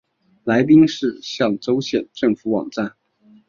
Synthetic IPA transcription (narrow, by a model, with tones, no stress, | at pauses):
la˧˥ɪp̬i˥ŋʂɻ̩˥˧ɕjɑ˥˩ŋʈ͡ʂo˥ʊɕjɛ˥˩nʈ͡ʂɤ˥˩ŋfu˧˥wɑ̰˨˩ŋʈ͡ʂa˥˩n